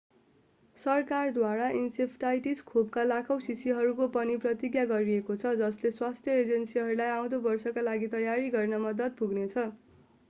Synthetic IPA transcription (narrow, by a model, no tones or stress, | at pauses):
sʌrkard̪waɾaʔinsepʰʈajʈiskʰob̚kalakʰʌw̃sisiɦʌɾukopʌniprʌt̪iɡjaɡʌɾiekot͡sʰʌd͡zʌsleswast̪ʰjʌed͡zʌnsiɦʌɾulajaw̃d̪obʌrsʌkalaɡit̪ʌjaɾiɡʌrnʌmʌd̪ʌt̪̚puɡnet͡sʰʌ